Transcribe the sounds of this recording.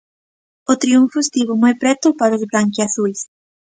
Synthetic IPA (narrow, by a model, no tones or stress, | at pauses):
ot̪ɾiuɱfʊest̪iβʊmojpɾɛt̪ʊpaɾozβɾaŋkiaθus